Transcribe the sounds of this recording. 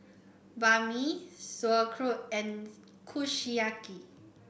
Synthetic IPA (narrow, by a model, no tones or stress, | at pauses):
bamisəkʰɾoɛn | kʰuʃijaki